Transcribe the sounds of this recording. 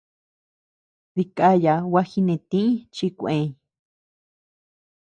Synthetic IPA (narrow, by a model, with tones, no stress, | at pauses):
ði˧kʼa˦ja˨wa˦xi˧nẽ˨˧t̪ĩ˦t͡ʃi˧kʷẽ˧